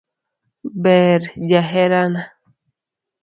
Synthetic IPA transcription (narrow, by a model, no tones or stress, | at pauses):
bɛɾd͡ʒaɦɛɾana